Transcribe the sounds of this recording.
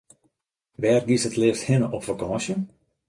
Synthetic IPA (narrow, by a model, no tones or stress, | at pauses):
ʋɛːrɡisətlɪːfthɪnəʔɔpfakɑ̃ːsjə